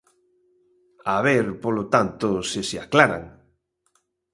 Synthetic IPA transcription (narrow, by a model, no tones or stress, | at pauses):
aβeɾpolot̪ant̪ʊsɪsɪaklaɾa̰ŋ